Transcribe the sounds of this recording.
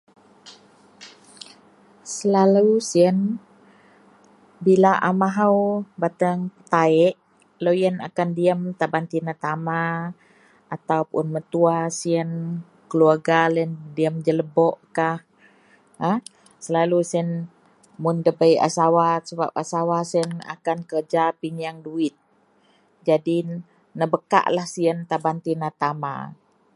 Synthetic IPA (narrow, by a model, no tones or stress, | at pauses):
səlalusiən | bilaʔamaɦawbat̪əŋpət̪aɛʔ | lojəna̰kandiəmt̪abant̪inat̪ama | at̪awpʔʊnmət̪uasiən | kəluarɡalɛndiəmd͡ʒələbɔʔkah | əh | səlalusɛn | mʊndəbəja̰sawasəba̰p̚a̰sawasɛna̰kankərd͡ʒapiɲaŋduɪt̪̚ | d͡ʒadi | nəbəka̰ʔlahsiənt̪abant̪inat̪ama̰